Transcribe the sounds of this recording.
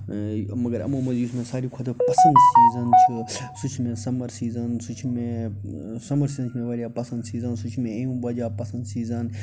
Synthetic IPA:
mɐɡɐɾɐ̰mãːmɐziːsmẽsaːɾiːkʰɐt̪ʰɐpɐsɐ̃nd̪siːzɐnt͡ʃʰusut͡ʃʰmẽːsɐmɐɾsiːzɐnsut͡ʃʰmẽ | sɐmɐɾsiːzɐnt͡ʃʰmẽːʋɐɾjaːpɐsɐnd̪siːzɐnsut͡ʃʰmẽĩmbɐd͡ʒaːpɐsɐnd̪siːzɐn

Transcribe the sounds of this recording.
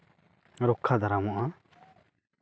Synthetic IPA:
ɾɔkʰːad̪aɾamɔʔa

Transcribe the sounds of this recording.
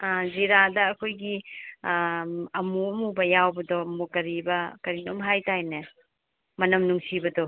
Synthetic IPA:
aziɾadɐːkʰojɡi | ɐmuɐmubɐjawbɐdɔmukɐɾibɐkɐɾinomɦajtajne | mɐnɐmnuŋsibɐdɔ

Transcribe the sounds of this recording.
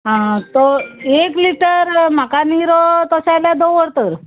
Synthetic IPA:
ɦãt̪oekliʈəɾm̤akaniɾɔt̪əɕaljad̪oʋəɾt̪əɾ

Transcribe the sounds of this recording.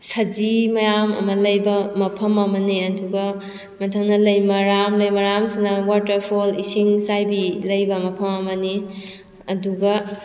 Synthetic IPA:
sɐd͡ʒimɐjamɐ̰mɐlɐjbɐmɐpʰɐmɐmɐniɐduɡɐ | mɐtʰɐŋnɐlɐjmɐɾamlɐjmɐɾamsinɐwatɐɾpʰolisiŋsajbilɐjbɐmɐpʰɐmɐmɐni | ɐduɡɐ

